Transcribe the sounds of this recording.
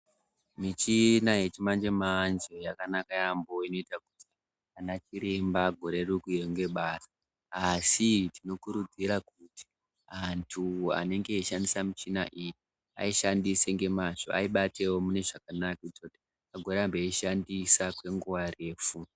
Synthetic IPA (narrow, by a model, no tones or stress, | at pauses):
mit͡ʃinaje̞t͡ʃimand͡ʒe̞mand͡ʒe̞jakanakajambo̞ino̞itak̚uti | anat͡ʃiɾe̞mbaɡʱo̞ɾe̞rukueŋɡe̞ɓaːsa | asitino̞kuɾud͡ziɾakuti̥ | antʰua̰ne̞ŋɡeiʃandisamit͡ʃina̰ʔiji | a̰iʃandiseŋɡe̞maʐo̞̰a̰iɓate̞wo̞mune̞ʐak̚anaktote̥ | aɡʱo̞ɾeambeiʃandisakwe̞ŋɡuʋare̞ːfu